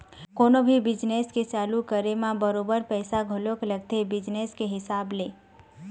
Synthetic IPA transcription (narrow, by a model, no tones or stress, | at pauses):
konobʱibɪd͡ʒnesket͡ʃalukəɾemãbəɾobəɾpəjsaɡʱolokləɡ̚t̪ʰebɪd͡ʒneskeɦɪsable